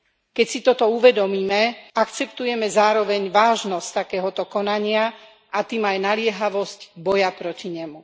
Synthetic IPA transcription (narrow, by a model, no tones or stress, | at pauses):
kɛcsit̪ɔt̪ɔuʋɛd̪ɔmiːmɛakt͡sɛpt̪ujɛmɛzaːɾɔʋɛɲʋaːʒnɔsct̪akɛːɦɔt̪ɔkɔnaɲɪa | ʔat̪iːmajnalɪɛɦaʋɔscbɔjapɾɔciɲɛmu